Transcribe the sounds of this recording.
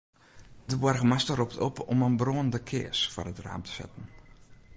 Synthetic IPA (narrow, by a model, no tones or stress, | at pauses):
dəbɔrɣəmastərop̚tʰɔpʰɔmənbroːən̩dəkʰɪ̰əsfɔ̰rətra̰ːmtʰə̥sɛ̰tn̩